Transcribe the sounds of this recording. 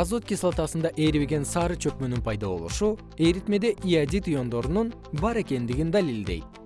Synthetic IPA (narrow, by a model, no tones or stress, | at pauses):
azot̪̚kʲislˠat̪ɑsɯnd̪ɑʔeɾiβeɡe̞nsɑːɾɯt͡ʃʰø̞k̚mø̞nynpʰɑjd̪ɑβo̞̰lˠṵʃu | ejɾit̪me̞d̪e̞ʔijad̪ʲit̪ujo̞nd̪o̞ɾunun | bɑɾe̞ke̞nd̪iɡʲind̪alʲilʲd̪e̞̰jt̪̚